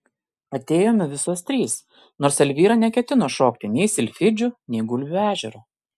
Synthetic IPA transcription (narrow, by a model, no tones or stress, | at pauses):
ɐt̪ʲeːjoːmʲɛʋʲɪsoːst̪ʲɾʲiːs | noːɾsɛlʲʋʲiːɾɑnʲɛkʲɛt̪ʲɪnoːʃoːkt̪ʲɪnʲɛɪsʲɪlʲfʲɪd͡ʒʲʊnʲɛɪɡʊlʲæːʒʲɛɾʊ